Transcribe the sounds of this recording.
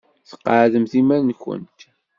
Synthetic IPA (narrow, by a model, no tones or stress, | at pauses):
θə̥qːəʕðəmθimæɾnçə̰nt̪